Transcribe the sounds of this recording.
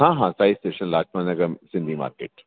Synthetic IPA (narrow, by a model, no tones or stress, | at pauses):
ɦãːɦãːsaːɪsʈeːʃə̃nlaːt͡ʃmanɐɡəɾsɪ̃nd̪ʱima̰ːɾkḛːʈ